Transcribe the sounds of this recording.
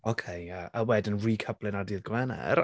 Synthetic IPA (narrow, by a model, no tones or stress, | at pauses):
okʰejjaəwɛdənrikʰəb̥lˠɪnadɪðɡwɛnɛ̰r